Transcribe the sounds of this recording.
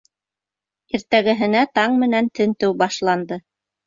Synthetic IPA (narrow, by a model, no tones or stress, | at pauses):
iɾt̪æɡɘ̆ɦɘ̆næt̪ɑɴmɘ̆nænt̪ɘ̆nt̪ɘwbɑʃlˠɑnd̪ɤ